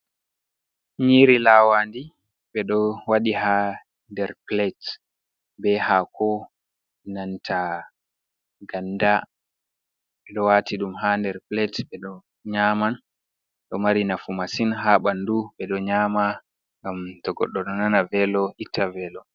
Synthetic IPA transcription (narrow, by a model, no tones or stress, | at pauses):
ɲiɾilawandi | ɓɛɗɔwaɗiha | ndɛɾplɛt | bɛhakʰɔ | nantʰa | ɡanda | ɓɛɗɔwatʰiɗumɦandɛɾplɛtɓɛɗɔ | ɲaːman | ɗɔmaɾinafumasinɦaɓanduɓɛɗɔɲaːma | ŋɡamtɔɡɔ̰ɗːɔnɔnanavɛlɔʔitːavɛlɔ